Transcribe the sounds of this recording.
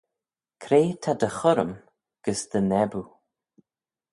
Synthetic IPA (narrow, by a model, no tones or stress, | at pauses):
kʰɾeːt̪ʰad̪əxʊɾəm | ɡ̥əsd̪̥ənɛbu